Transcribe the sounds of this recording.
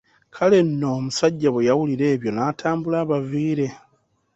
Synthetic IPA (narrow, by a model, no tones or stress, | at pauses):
kʰale̞nːo̞ːmusaɟːaβwejawuliɾe̞ːβjo̞naːtʰaːmbulaːβaviːɾe̞